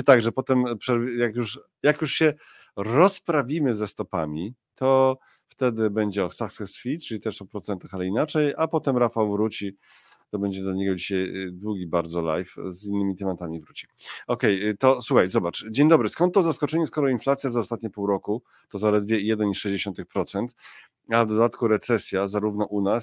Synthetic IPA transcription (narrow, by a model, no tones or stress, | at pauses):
ɨt̪aɡʐɛpɔt̪ɛmpʂɛɾjakjuʂ | jakjuʂɕɛ | ɾɔspɾavʲimɘzɛst̪ɔpamʲit̪ʰɔ | ft̪ɛd̪ɘbɛɲd͡ʑɛɔsaksɛsfʲit̪t͡ʂɘlit̪ɛʂɔpɾɔt̪sɛnt̪axalɛinat͡ʂɛjapɔt̪ɛmɾafawvɾut͡ɕi | t̪ɔbɛɲd͡ʑɛd̪laɲɛɡɔd͡ʑiɕajd̪wuɡʲibaɾd̪zɔla̰jfzinːɘmʲit̪ɛmat̪amʲivɾut͡ɕi̥ɔkɛjt̪ɔswuxajzɔbat͡ʂd͡ʑeɲd̪ɔbɾɘskɔnt̪ːɔzaskɔt͡ʂɛɲɛskɔɾɔinflat̪sʲjazaɔst̪at̪̚ɲɛpuwɾɔku | t̪ɔzalɛd̪vʲjɛijɛd̪ɛniʂɛʑd͡ʑeɕɔnt̪ɨxpɾɔt̪sɛnt̪ | avd̪ɔd̪at̪kuɾɛt̪sɛsʲjazaɾuvnɔʔunas